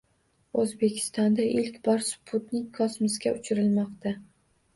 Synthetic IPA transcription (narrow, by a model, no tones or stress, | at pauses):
ozbe̞kʲʰɪ̥st̪ɒnd̪aʔɪlkʲbɒɾsʊ̥pʰʊt̪nɪŋkʰɒsmɪsɡʲaʊt͡ʃʰɪɾɪlmɒqt̪a